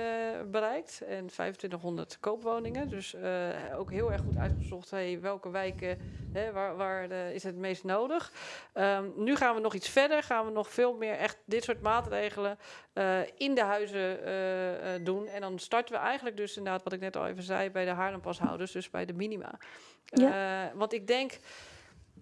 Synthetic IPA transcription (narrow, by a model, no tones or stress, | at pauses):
bərɛjk̚tɛnfɛ̰jvən̩tʋɪntəxɦʊndə̰ɹtkowpʋownɪŋədøsəo̰ːwkɦɪəlˠɛɹχutœ̰ɥtχəzɔxthejʋɛlˠkəʋɛjkəɦɛʋaʋaːɹəɪsətmeːstnowdəxənyχaːnʋənɔχitt͡sfɛdəɹχaːnʋənɔxfɪːlˠmɪəɹɛxtdɪtsoːɹtmaːtrejɣələnəɪndəɦœɥzə | dunɛndɔnstɑɹtəʋəʔɛjxəntlək̚døsɪndədaːtʋɔtɪknɛtɔ̰lˠḛːvənzɛ̰jbɛjdəɦaɹdəmpɑsɦa̰wdəɹsdøsbɛ̰jdəminima̰ː | ʋɑntɪɡ̚dɛŋk